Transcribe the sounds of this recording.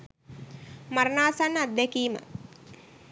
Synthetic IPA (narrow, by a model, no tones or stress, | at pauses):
maɾənaːsanːat̪̚d̪ɛkiːmə̰